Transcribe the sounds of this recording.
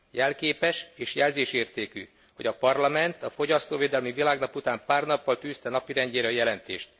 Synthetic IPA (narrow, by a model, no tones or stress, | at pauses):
jɛlkeːpɛʃeːʃjɛlzeːʃeːrt̪eːky̰ː | ho̞ɟɒpɒrlɒmɛnt̪ɒfo̞ɟɒst̪oːveːd̪ɛlmivilaːɡnɒput̪aːmpaːrnɒpːɒlt̪yːst̪ɛnɒpiɾɛɲɟeːɾɛɒjɛlɛnt̪eːʃt̪